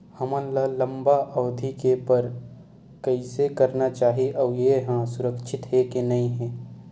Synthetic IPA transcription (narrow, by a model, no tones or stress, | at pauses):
hɐmãlalə̃mbaʔɔːd̪ʱikepɐɾ | kɐisekɐɾnat͡ʃaːɦiʔɔːjeɦãsʊɾəkʃʰɪt̪ɦɛkenɐĩɦɛ̃ː